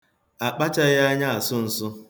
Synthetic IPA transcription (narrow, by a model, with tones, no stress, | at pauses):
a˨k͡pa˦t͡ʃa˦ja˦ɲa˦a˨sʊ˦n̩˨sʊ˦